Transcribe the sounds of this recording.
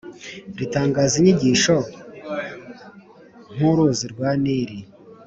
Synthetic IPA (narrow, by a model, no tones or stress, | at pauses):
ɾitaːŋɡaːziɲiɟiːʃo | ŋ̥huɾuziɾɡwaːniɾi